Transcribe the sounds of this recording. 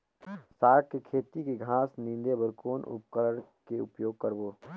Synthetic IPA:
saːʈ̚kekʰeːt̪ikeɡʱaːsnĩːnd̪ebəɾkoːnʊ̰pkəɾəɽkeʊpjoːɡ̚kəɾboː

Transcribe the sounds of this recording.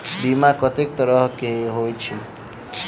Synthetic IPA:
bimakʌt̪ek̚t̪ʌɾʌɦkeɦojt͡ʃʰi

